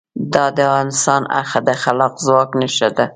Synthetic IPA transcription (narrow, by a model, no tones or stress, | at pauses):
d̪ɑd̪əavʁɑnɪst̪ɑna̰xad̪axalɑqzwɑknaʃad̪a